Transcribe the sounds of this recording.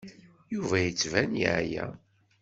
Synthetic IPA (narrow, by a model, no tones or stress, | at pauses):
juvæjət͡sːvænjḭʕjæ̰